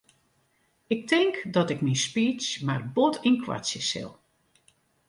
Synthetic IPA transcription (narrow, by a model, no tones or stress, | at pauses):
ɪk̚tɪŋkdɔtɪkminspiːt͡ʃmarbotinkʰwa̰sjəsɪ̰lˠ